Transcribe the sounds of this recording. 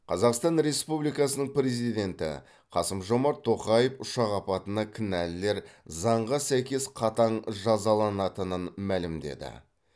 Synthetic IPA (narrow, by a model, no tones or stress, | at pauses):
qʰɑzɑqst̪ɑnɾe̞spublijkɑsənəɴpɾe̞zijd̪ʲe̞nt̪ɪ̰ | qʰɑsəmʒo̞mɑɾt̪ʰːo̞qɑjəfʊʃɑʁɑpɑt̪ənɑkʲʰɪnælːe̞ɾzɑɴʁɑsæjkʲe̞sqʰɑt̪ɑɴʒɑzɑlˠɑnɑt̪ənənmælɪmd̪e̞̰d̪ɪ̰